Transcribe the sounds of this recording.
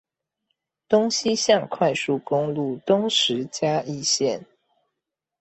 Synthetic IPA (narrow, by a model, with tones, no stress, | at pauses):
t̪ʊ˥ŋɕi˦ɕjɑ˥˧ŋkʰwa˥˧ɪsu˥˩kʊ˥ŋlu˥˨˩t̪ʊ˥ŋʂɻ̩˨˦t͡ɕja˥i˥˨ɕjɛ˥˨n